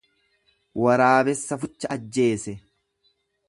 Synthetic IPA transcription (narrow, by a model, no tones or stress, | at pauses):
wɐɾaːbɛsːɐfʊt͡ʃːɐɐd͡ʒːe̞ːsɛ